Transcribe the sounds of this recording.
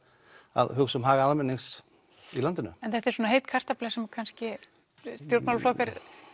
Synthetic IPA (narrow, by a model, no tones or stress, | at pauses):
a̰ðhʏksʏmɦaːɣaalmɛnːiŋs | ilant̪ɪnʏ̰ɛnθaht̪ɛɾsoːnaɦejt̪kʰar̥t̪aplɛsɛmkʰanscɪ | st̪jowɾt̪mawlflɔkaɾ